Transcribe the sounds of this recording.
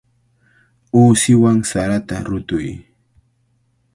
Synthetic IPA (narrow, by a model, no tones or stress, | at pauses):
uːsɪwaŋsaɾat̪aɾʊt̪ʊj